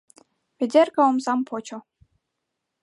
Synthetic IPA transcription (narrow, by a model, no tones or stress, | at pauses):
pʲed̪ʲerʲkɑomzɑmpʰot͡ɕŏ